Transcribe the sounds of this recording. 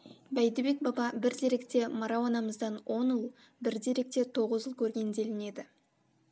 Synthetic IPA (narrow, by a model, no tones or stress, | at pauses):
bæjd̪ɪbe̞k̚bɑbɑbɪɾd̪e̞ɾe̞kt̪e̞mɑɾɑwɑnɑməzd̪ɑnwʔo̞nulˠ | bɪɾd̪e̞ɾe̞k̚t̪e̞t̪ʰo̞ʁəzʒəlˠkʲʰɵɾɡʲe̞nd̪e̞lɪne̞d̪ɪ